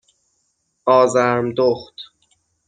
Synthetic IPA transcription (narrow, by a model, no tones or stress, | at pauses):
ɒːzæɾmd̪oxt̪